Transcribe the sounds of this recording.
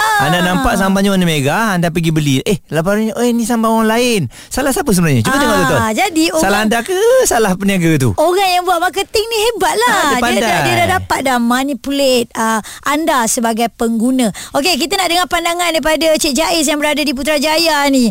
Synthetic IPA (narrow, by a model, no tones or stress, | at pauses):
aandanãmpaʔsambaɲəanəmeɡaandap̬əɡibəliʔehlap̬aɾɲonisambaoɣaŋlaɪn | salahsapəs̬əbənaɲət͡ʃuaəɡad̪ood͡ʒadiosalaɦandakəsalahpəniaɡət̪̬ṵoɣaŋjaŋbuaʔmak̬ət̪ɪŋnĩɦebaʔ̪̚laddpadadadiədadapat̪̚damanipulet̪̚ə | ʔandasəbaɡajpəŋɡunə̃ʔok̬ek̬it̪ənaʔdəŋapandaŋandajp̬adat͡ʃɛʔ̚d͡ʒaʔɪs̬jaŋbəɾadadip̬ut̪ɾad͡ʒajani